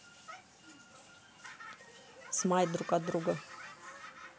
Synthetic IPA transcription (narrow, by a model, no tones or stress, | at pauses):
smajd̪ɾukʼad̪ɾuɡə